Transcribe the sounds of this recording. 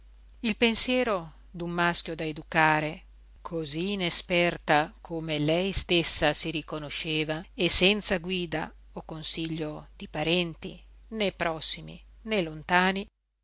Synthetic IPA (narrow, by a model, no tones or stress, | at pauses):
ilpensjɛːɾo | d̪umːaskʲjod̪aed̪ukaːɾe | kʰoziːnespɛrt̪akʰomelɛjst̪esːasiɾikonoʃeːvaesːɛnt̪saɡwiːd̪a̰ | okonsiʎːod̪̥ipaɾɛnt̪ḭ | nepɾɔsːimḭnelont̪aːni